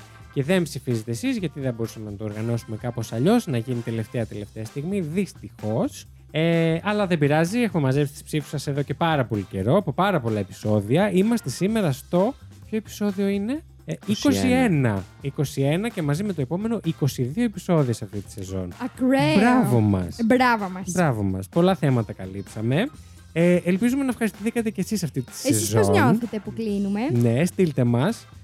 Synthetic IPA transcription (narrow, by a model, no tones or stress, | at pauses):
ce̞ðe̞mbsifizet̪e̞ːsizʝɐt̪iðebo̞ɾusɐmenɐt̪oːɾɣɐno̞sume̞kɐpo̞sɐʎo̞znɐʝinit̪e̞le̞ft̪e̞ɐt̪e̞le̞ft̪eɐst̪iɣmiðist̪ixo̞s | eʔɐlɐðebiɾɐziexumemɐzepsi̥t̪i̥spsifu̥sɐse̞ðo̞ce̞pɐɾɐpo̞lice̞̰ɾo̞ɐpo̞pɐɾɐpo̞lɐe̞pi̥so̞ðiɐimɐst̪e̞sime̞ɾɐːft̪o̞pço̞epi̥so̞ðio̞ine̞ | iko̞ssie̞nɐiko̞sienɐce̞mɐzimet̪o̞epo̞me̞no̞ʔiko̞siðio̞episo̞ðiesɐft̪it̪i̥se̞zo̞̰nɐkɾebɾɐvo̞mɐ̰sbɾavomɐsbɾɐvo̞mɐ̰spo̞lɐθe̞mɐt̪ɐkɐlipsɐme̞ | eʔelpizume̞nɐfxɐɾist̪iθikɐt̪e̞cesisɐft̪it̪i̥seezoozɲonθet̪epuklinumenest̪ilt̪e̞mɐs